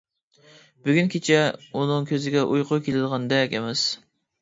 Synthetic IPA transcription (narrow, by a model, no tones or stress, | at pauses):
b̥yɡʲynkʲʰet͡ʃʰɛunɨŋkʲʰøzɪɡʲɛʔujqʰʊjkʲʰelɪd̪əʁɑnd̪ɛkʲemɛs